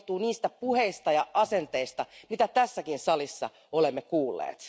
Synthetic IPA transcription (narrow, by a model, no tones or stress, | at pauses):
t̪uːniːst̪æpuheist̪ɑjɑʔɑsent̪eist̪ɑmit̪æt̪æsːækinsɑlisːɑ̰ | olemːekuːlːḛːt̪